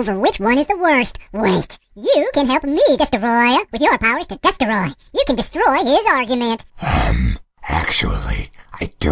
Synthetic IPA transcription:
oʊvə˞wɪt͡ʃwʌ̃ñɨzðəwɜ˞st̚weɪt | jɨkɨ̃nɦɛlˠp̚midɛstəɹɔɪɨwɨðjə˞pʰaʊə˞z̥tʰɨdɛstəɹɔɪ | jɨkɨ̃ndɨstɹ̥ɔɪɪzɑɹɡjɨmɨ̃nthʌ̰̃m | æ̰k̚t͡ʃṵl̩ˠḭaɪd̥

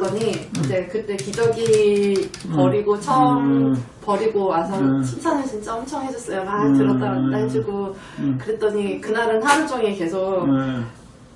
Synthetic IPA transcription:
ʌɲiid͡ʑe̞kɯt͈e̞kid͡ʑʌɡi | pʌɾiɡot͡ɕʰʌmpʌɾiɡoasʰʌnt͡ɕʰimt͡ɕʰanɯɭt͡ɕint͡ɕ͈aʌmt͡ɕʰʌŋɦe̞d͡ʑʌs͈ʌjomaɭtɯɾʌt͈aɾataed͡ʑʰiɡo | kɯɾe̞t͈ʌɲikɯnaɾɯnɦand͡ʑ͈ʌŋeke̞sʰok̚

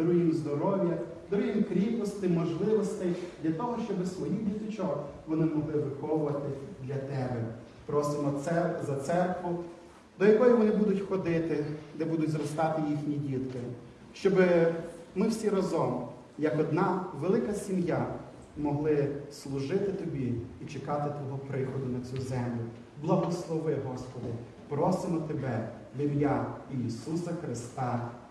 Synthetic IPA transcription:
d̪ɾʊjimzd̪ɔɾɔʋʲjɐ | d̪ɔɾʊɦjimkɾʲikɔst̪ɪmɔʒlˠɪʋɔst̪ɪd̪ʲlʲɐt̪ɔɦɔʃt͡ʃɔbɪsʋɔjidʲit̪ɪt͡ʃɔʋɔnɪmɔɦlˠɪʋɪxɔʋʊʋɐt̪ɪd̪lʲɐt̪ɛbɛ | pɾɔsɪmɔɛzɐt̪sɛrkʋʊ | d̪ɔjɐkɔjʊʋɔnɪbud̪ʊtʲxɔd̪ɪt̪ɪd̪ɛbud̪ʊtʲzɾɔst̪ɑt̪ɪjixnʲidʲit̪kɪ | ʃt͡ʃɔbɪmɪwsʲiɾɐzɔm | jɐkɔd̪nɑʋelˠɪkɐsʲimja | mɔɦlˠɪslˠʊʒɪt̪ɪt̪ɔbʲiit͡ʃekɑt̪ɪt̪ʋɔɦɔpɾɪxɔd̪ʊnɐt͡sʲuzɛmlʲʊ | blˠɐɦɔslˠɔʋɪɦɔspɔd̪ɪ | pɾɔsɪmɔt̪ebɛ | b̪ɪmjaiisusɐxɾɪst̪ɑ

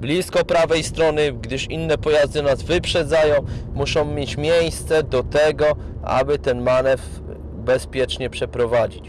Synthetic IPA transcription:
blʲiskɔpɾavɛjst̪ɾɔnɘɡd̪ɘʂinːɛpɔjazd̪ɘnazvɘpʂɛd̪zajɔ̃w̃muʂɔ̃w̃mʲjet͡ɕmʲjejst̪sɛd̪ɔt̪ɛɡɔ | ʔa̰bɘt̪ɛnmanɛf | bɛspʲjɛt͡ʂɲɛpʂɛpɾɔvad͡ʑit͡ɕ

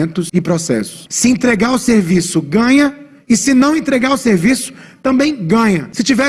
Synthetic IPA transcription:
nt̪ʊsɪpɾɔsɛ̰sʊ̥ssɪẽnt̪ɾeɡaɾʊseɾvisʊɡɐ̃ɲɐ | ɪsɪnɐ̃w̃ẽnt̪ɾeɡaɾʊseɾvisʊ̥t̪ɐ̃mbẽj̃ɡɐ̃ɲɐsɪt͡ʃivɛ

